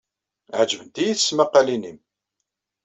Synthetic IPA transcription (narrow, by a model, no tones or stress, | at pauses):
ʕd͡ʒəvənt̪ijiθəsmaqːɑlinim